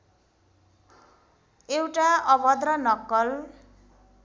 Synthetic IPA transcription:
ewʈaʌbʌd̪rʌnʌkːʌl

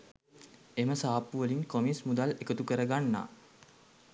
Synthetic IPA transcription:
eməsaːpːuʋəliŋkomismud̪alekət̪ukəɾəɡanːa̰ː

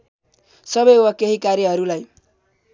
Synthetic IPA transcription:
sʌbʌjwakeɦikaɾjʌɦʌɾulaj

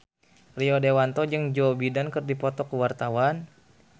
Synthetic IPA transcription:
riɔdewant̪ɔd͡ʒɨŋd͡ʒɔbidankɨrdipɔt̪ɔkəwart̪awan

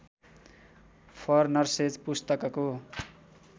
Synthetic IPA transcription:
pʰʌrnʌrsed͡zpust̪ʌkʌko

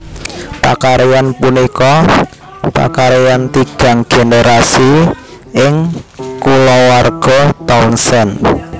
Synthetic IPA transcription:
pa̰kaɾejanpunikɔ | pa̰kaɾejant̪iɡ̥a̤ŋɡ̥eneɾasi | ɪŋkulɔwarɡ̥ɔt̪aunsɛn

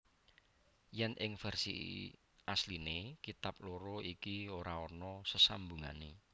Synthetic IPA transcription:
jɛnʔɪŋfɛrsḭ | ʔaslinekit̪ap̚loɾoikioɾaɔrnɔsəsambuŋa̰ne

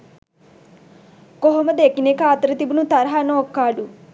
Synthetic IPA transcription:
koɦomɐd̪ekinekaːt̪ɾɐt̪ibunut̪ɐɾɦanoːkːaːɖu

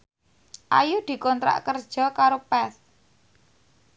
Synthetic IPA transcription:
ʔajud̪̥i̤kɔnt̪ɾa̰ʔkərd̥ʒ̥ɔ̤kaɾopɛθ

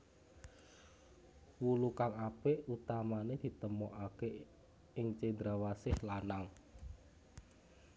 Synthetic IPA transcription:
wulukaŋapeʔut̪amaned̪̥i̤t̪əmɔʔake | ɪŋt͡ʃed̪ɾawasɪhlanaŋ

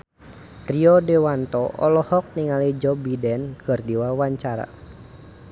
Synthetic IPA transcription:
riɔdɛwant̪ɔʔɔlɔhɔk̚niŋalid͡ʒɔbidɛnkʰɨrdiwawaɲt͡ʃaɾa̰

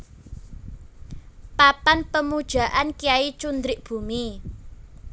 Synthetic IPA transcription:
papanpəmud̥ʒ̥ä̤ʔankijait͡ʃund̪ɾɪʔb̥ṳmi

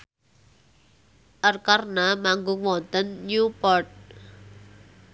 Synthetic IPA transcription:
ʔərkarnamaŋɡʊŋwɔnt̪ənːjupɔrt̚

